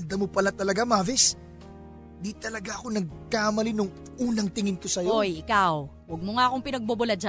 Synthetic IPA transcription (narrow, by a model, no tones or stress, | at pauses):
nd̪ɐmopɐlat̪ɐlɐɡamaːvɪs | d̪it̪ɐlɐɡaʔɐko̞nɐɡ̚kaʔmɐlinʊŋ | ʔuːnɐŋt̪ɪŋɪnkosɐjojʔɪkaw | wɐɡ̚moŋaʔɐkoŋpɪnɐɡ̚bobʊlɐd͡ʒa